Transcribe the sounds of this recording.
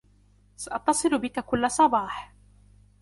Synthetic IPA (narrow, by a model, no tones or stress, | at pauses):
saʔɑt̪ːɑsˤɨlʊbɪkakʊlːasˤɑbɑːħ